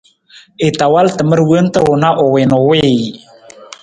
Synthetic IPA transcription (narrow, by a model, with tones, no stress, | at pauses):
e˨t̪a˨wa˦lt̪ə˨mə˦ɾwəə˦nt̪əwo˨na˦ʔo˨we˨no˨we